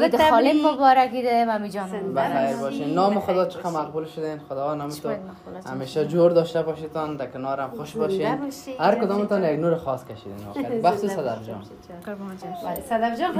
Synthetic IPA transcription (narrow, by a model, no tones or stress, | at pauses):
ɪt̪ɔlɪmːobɔɾakid̪eemamid͡ʒɔnbaxajɾbɔʃenːɔmɪxʊd̪ɔt͡ʃʰɪ̥qamaqbulʃʊd̪enxʊd̪ɔwanɔmɪt̪ʊ | ha̰meʃad͡ʒoɾd̪ɔʃt̪abɔʃet̪ɔnd̪akɪnɔɾamxʊʃbɔʃehaɾkʊd̪ɔmɪt̪ɔnjaɡnoɾaxɔskaʃid̪ḛnɔ̰kɾbaxt̪usad̪afd͡ʒɔ̰n | bsad̪afd͡ʒɔn